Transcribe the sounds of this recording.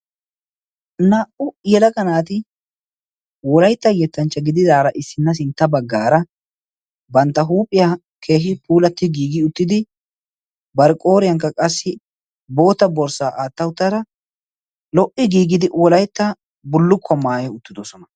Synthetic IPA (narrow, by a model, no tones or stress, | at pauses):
naːʔʊjɛlɐkɐnaːt̪̬ɪ | wɔlɐjt̪ːɐjɛt̪ːɐnt͡ʃːɐɡɪd̪ɪd̪aːɾɐʔɪsːɪnːɐs̬ɪnt̪ːɐbɐɡːaːɾɐ | bɐnt̪ːɐɦuːpʼːɪjɐ | kʰe̞ːɦɪpuːlɐt̪ːɪɡiːɡɪʊt̪ːɪd̪ɪ | bɐɾkʼo̞ːɾɪjɐŋkːɐkʼɐsːɪ | bo̞ːt̪ɐbɔɾsaːʔaːt̪ːɐʊt̪ːɐɾɐ | lɔʔɪɡiːɡɪd̪ɪwɔlɐjt̪ːɐ | bʊlːʊkʰːɔmaːjɛʊt̪ːɪd̪ɔsɔnɐ